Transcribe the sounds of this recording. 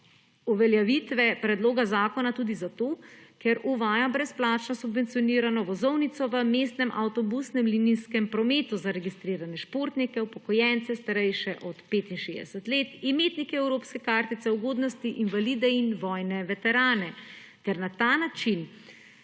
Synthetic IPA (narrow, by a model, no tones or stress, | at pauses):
uʋɛljaʋit̪ʋɛpɾɛd̪loːɡazaːkɔnat̪uːd̪izat̪oːkɛɾuʋaːjabɾɛsplaːt͡ʃnɔsubʋɛnt̪sijɔniːɾanɔʋɔzɔwnit̪sɔʋəmest̪nɛmʔawt̪ɔbusnɛmlininskɛmpɾɔmeːt̪uzaɾɛɡist̪ɾiːɾanɛʃpoːɾt̪nikɛwpɔkɔjɛnt̪sɛst̪aɾɛjʃɛʔɔt̪peːt̪inʃḛːzd̪ɛ̰sɛt̪leːt̪imeːt̪nikɛɛwɾoːpskɛkaːɾt̪it̪sɛuɡoːd̪nɔst̪iʔinʋalid̪ɛinʋɔjnɛʋɛt̪ɛɾaːnɛ | t̪ɛɾnat̪aːnat͡ʃin